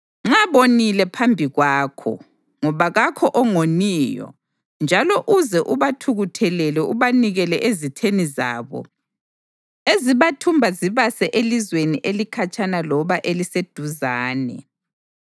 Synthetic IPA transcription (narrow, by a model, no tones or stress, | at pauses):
ŋ͡ǁaβonilɛpʰambʱiɣwaːkʰɔ̰ | ŋɔβaɣakʰɔʔɔŋoniːjɔ̰ | nd͡ʒʱalɔʔuzɛʔuβatʰuɣutʰɛlɛlɛʔuβaniɣɛlɛʔezitʰeniza̰ːβɔ̰ | eziβatʰumbʱaziβasɛʔelizweniʔelikʰat͡ʃʰʼanalɔβaʔelised̥ʱuzaːnɛ̰